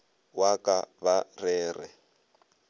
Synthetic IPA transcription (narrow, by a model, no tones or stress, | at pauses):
wakʼaβarɛːrɛ̰